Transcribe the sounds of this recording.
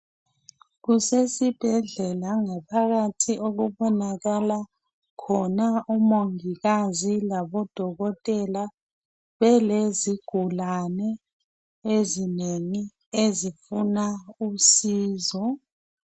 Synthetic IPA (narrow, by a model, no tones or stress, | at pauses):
ɣusesib̥ʱɛɮɛlaŋapʰaɣatʰiʔoɣuβɔnaɣala | kʰɔnaumoŋiɣazilaβɔd̥ʱɔɣɔtʼɛla | βɛleziɡ̥ʱulanɛ | ezineŋi | ezifunausiːzɔ